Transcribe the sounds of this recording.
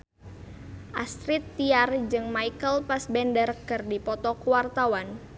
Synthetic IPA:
ʔast̪ɾit̪ːiard͡ʒɨŋmaikəlpasbɛndərkɨrdipɔt̪ɔkuwart̪awan

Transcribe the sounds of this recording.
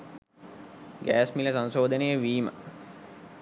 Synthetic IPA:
ɡæːsmiləsansoːd̪ʱənəjəʋiːmə̰

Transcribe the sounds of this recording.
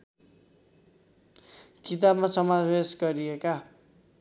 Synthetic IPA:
kit̪abmasʌmad͡zbesɡʌɾijeka

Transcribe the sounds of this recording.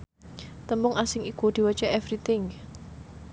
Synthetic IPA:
t̪əmʊŋʔasɪŋikud̪̥i̤wət͡ʃɛʔɛvɾit̪ɪŋ

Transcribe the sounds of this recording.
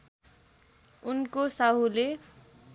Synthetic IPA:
unkosaɦule

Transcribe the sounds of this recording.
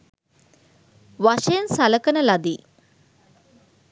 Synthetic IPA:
ʋaʃejənsaləkənəlad̪iː

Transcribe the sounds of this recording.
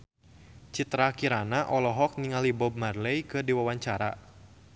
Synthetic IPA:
t͡ʃit̪ɾakiɾanaʔɔlɔɦɔk̚niŋalibɔb̚marlɛjkɨdiwawaɲt͡ʃaɾa̰

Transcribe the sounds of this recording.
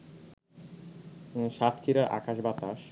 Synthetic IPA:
ʃat̪kʰiɾaɾʔa̰kaʃbat̪aʃ

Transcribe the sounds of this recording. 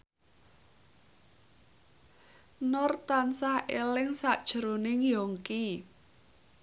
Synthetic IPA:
nɔrt̪ansahʔelɪŋsaʔd̥ʒ̥ɾonɪŋjɔŋki

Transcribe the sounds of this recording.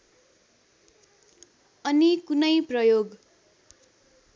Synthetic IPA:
ʌnikunʌjprʌjoɡ

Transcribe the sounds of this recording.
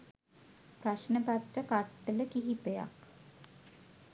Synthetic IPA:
praʃnəpat̪rəkaʈːələkiɦipəja̰k

